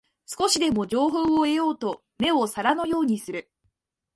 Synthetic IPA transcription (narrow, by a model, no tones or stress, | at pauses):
sɨ̥ko̞ɕid̪e̞mo̞ʑo̞ːɦo̞ːoe̞jo̞ːt̪o̞ | me̞o̞saɾano̞jo̞ːɲ̟isɨɾɯ̟